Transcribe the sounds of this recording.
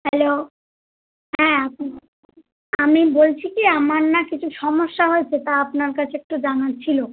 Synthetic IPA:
hɛlo | ɦɛ̃ːap̚ | amibolt͡ɕʰikiamaɾnakit͡ɕʰuʃɔmoʃːaɦoet͡ɕʰet̪aapnaɾkat͡ɕʰeek̚ʈud͡ʑanat͡ɕʰilo

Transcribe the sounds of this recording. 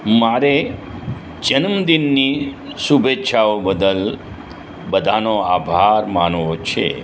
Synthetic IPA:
maɾe | d͡ʒənəmd̪inːisubʱetːʃʰaobəd̪əl | bəd̪ʱanoabʱaɾmanʋot͡ʃʰḛ

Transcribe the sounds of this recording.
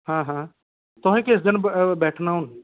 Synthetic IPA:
ɦãːɦãː | t̪ʊɦẽːkeɪs̬d̪ənbɛːʈʰnaːɦun

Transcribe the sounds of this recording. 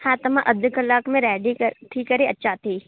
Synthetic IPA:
hãːt̪ɐmãʔɐd̪ʱkɐlaːkmẽɾɛːɖikɐɾt̪ʰikɐɾeɐtːʃʰaːt̪ʰiː

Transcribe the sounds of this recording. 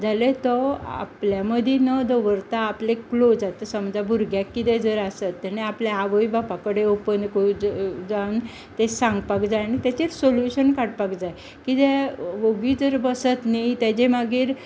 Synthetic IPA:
d͡zalet̪ɔa̰pljaməd̪ʱinəd̪oʋəɾt̪aːpleklod͡zat̪əsəmd͡zabʱuɾɡjakːit̪ɛd͡zəɾasət̪ːɛneapljaaʋəibapakəɽeopənd̪koud͡zaun | t̪esãŋɡpakd͡zajañit̪at͡ɕeɾsoljuɕənkaɽpakd͡zaj | kit̪eʋoɡiːd͡zəɾbəsət̪nit̪at͡ɕemaɡiːɾ

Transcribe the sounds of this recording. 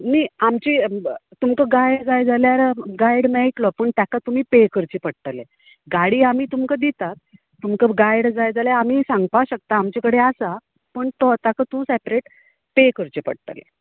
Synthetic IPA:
niamt͡ɕit̪umkəɡajɖd͡zajd͡zaljaɾɡajɽmɛiʈ̪lɔpəɳt̪jakat̪um̤iːpekəɾt͡ɕipəɽt̪əle | ɡaɽiːamiːt̪umkəd̪it̪at̪̚ː | umkəɡajɽd͡zajd͡zaljaam̤iːsãŋɡ̚paɕək̚t̪aːmt͡ɕekəɽeasa | pəɳt̪ɔt̪jakət̪ũsɛpɾeʈ | pekəɾt͡ɕipə̰ɽ̚t̪ə̰lḛ

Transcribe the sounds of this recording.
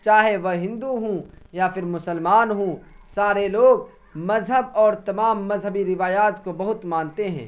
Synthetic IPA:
t͡ʃaːɦeʋɐɦɪ̃nd̪uɦũjapʰɪɾmʊsəlmaːnɦũ | saːɾeloːɡ̚ | mɐzɦəbɔːɾt̪ɐmaːmːɐzɦəbiɾɪʋaːjaːt̪kobɐɦʊt̪mãːnt̪eɦɛ̰̃ː

